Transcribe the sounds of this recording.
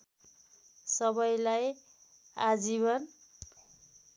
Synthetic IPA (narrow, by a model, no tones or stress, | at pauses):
sʌbʌjlaj | a̰d͡zibʌn